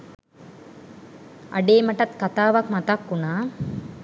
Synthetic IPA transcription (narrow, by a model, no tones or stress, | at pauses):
aɖeːmɐʈat̪kat̪aːʋakmat̪akːunaː